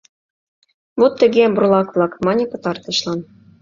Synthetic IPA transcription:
βot̪ːə̆ɣemburlˠɑkβlˠɑkmɑnʲĕpɤ̆t̪ɑrt̪ɤ̆ʃlɑn

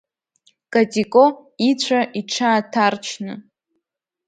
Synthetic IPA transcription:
kʼatʼikʼoit͡ɕʷʰaʔiʈ͡ʂʰaːtʰart͡ʃʰnɨ̰

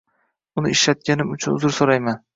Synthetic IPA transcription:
ʊnɪɪʃlat̪̚kʲanɪmʊt͡ʃʰʊnʊzʊɾsoɾajman

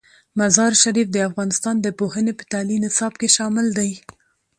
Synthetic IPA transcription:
mazɑɾʃaɾifd̪əafɣɑnɪst̪ɑnd̪əpohənepə̥t̪alimːɪsɑb̚keʃɑmɪld̪aj

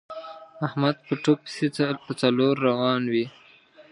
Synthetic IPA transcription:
ahmad̪̚pəʈok̚pi̥sepət͡saloɾːawɑnwi

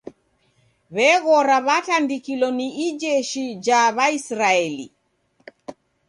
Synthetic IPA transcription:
βɛɣɔɾaβatandikilɔniːd͡ʒɛʃid͡ʒaβaisɾaɛlḭ

